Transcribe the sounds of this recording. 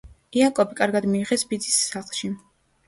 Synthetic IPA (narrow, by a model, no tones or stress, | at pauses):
iakʼɔbikʼaɾɡad̪miːʁɛsbid̪zisːaχlˠʃi